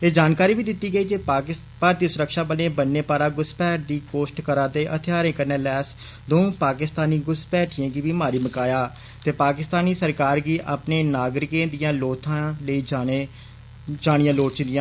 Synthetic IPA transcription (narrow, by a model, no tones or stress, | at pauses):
eːd͡ʒaːnkaːɾiːbiːd̪ɪt̪ːiːɡəiːd͡ʒeː | paːɾd̪iːsʊɾəkʃaːbəlẽːbənːeːpaːɾaːɡʊspɛːʈ̚d̪iːkoːsʈkəɾãːt̪eːʔət̪ʰɪjaːɾẽːkəɾneːlɛːs | d̪oũːpaːkɪst̪aːniːɡʊspɛːʈʰɪjãːɡiːʋiːmaːɾiːməkaːjaː | t̪eːpaːkɪst̪aːniːsəɾkaːɾɡiːʔa̰pneːnaːɡɾɪkẽːd̪ɪjãːloːt̪ʰãːləiːd͡ʒaːe | d͡ʒaːɽ̃ɪjãːloːʈt͡ʃɪnd̪ɪjãː